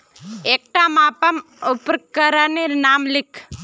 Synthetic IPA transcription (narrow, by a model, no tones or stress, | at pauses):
eːk̚ʈamaːpɐm | upɾkkːəɾaniɾnaːmlɪkʰ